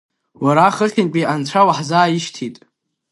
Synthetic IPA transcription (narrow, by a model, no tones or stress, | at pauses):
waɾaχəχʲɪnpʲʼiʔant͡ʃʷʰawaħzaːjiʃtʰitʼ